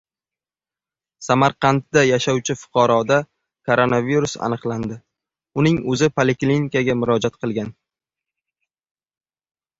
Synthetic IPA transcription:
samaɾqʰɑnt̪d̪ajaʃawt͡ʃʰɪfʊ̥qʰɑɾɒd̪a | kʰoɾo̞naviɾusa̰nɨqlˠand̪ɪ | ʊnɪŋɵzɪpʰalekʲlinkaɡʲamʊɾɒd͡ʒat̪̚qʰɨlˠɡʲan

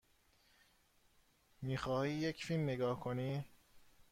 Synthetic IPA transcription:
miːxɒːhiːjecʰfilmneɡɒːhkʰoniː

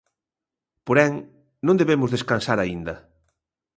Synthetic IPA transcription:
poɾɛŋ | nõnd̪eβemʊzðeskansaɾaind̪ɐ

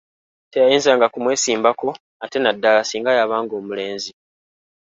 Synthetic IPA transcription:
te̞jajiːnzaːŋɡakumwe̞ːsiːmbako̞ | ate̞nadːalasiːŋɡajaβaːŋɡo̞ːmule̞ːnzi

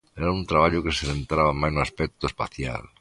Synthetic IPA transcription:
ɛɾaunt̪ɾaβaʎokeseðent̪ɾaβamajnuaspɛk̚t̪oespa̰θja̰l

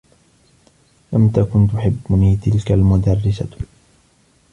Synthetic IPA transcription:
lamt̪akʊnt̪ʊħɪbːʊniːt̪ɪlkalmʊd̪arːɪsa

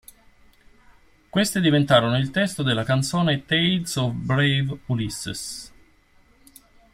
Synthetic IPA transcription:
kwest̪ed̪ivent̪aːɾonoilt̪ɛst̪od̪elːakant̪soːnet̪ejd̪sɔvbɾevulisːḛs

